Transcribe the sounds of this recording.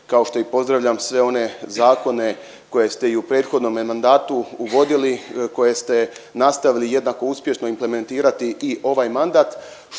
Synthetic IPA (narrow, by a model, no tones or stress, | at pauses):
kao̞ʃt̪o̞ipo̞zd̪ɾaʋʎamsʋe̞o̞ne̞zaːko̞ne̞ | ko̞je̞st̪e̞iupɾe̞ːd̪xo̞d̪no̞mmand̪aːt̪uːʋo̞d̪iliko̞je̞st̪e̞nast̪aʋilije̞d̪naːko̞uspʲje̞ʃno̞imple̞me̞nt̪iːɾat̪iʔiʔo̞ʋaːjmand̪aːt̪